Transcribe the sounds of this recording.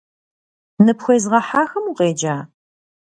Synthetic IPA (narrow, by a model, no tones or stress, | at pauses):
nɨpxʷejzʁɐħaːxɐmuqeːd͡ʒaː